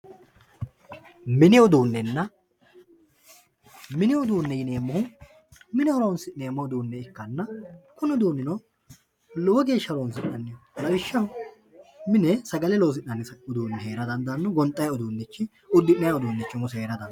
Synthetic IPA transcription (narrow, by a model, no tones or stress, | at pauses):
mɪnɪʊd̪uːnːɛnːɐ | mɪnɪʊd̪uːnːɛjɪne̞ːmːʊhʊ | mɪnɛɔɾownsɪneːmːɔʊd̪uːnːɛɪkːɐnːɐkʊnʊd̪uːnːɪnɔ | loːɡeːʃːɐɾoːns̬ɪnɐnːɪjɔlɐwɪʃːɐhʊ | mɪnɛsɐɡɐlɛloːs̬ɪnːɐnːɪsɐʊd̪uːnːɛhe̞ːɾɐd̪ɐnd̪ɐnːɔɡɔnt̪ʼːɐjʊd̪uːnːɛt͡ʃːɪ | ʊd̪ːɪnnɐjaʊd̪uːnːɛt͡ʃːɪmʊse̞ːɾɐd̪ɐn